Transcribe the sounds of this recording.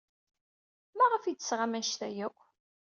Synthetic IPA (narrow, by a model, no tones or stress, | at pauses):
mæʁəfid̪əsʁamænʃθæjækʷː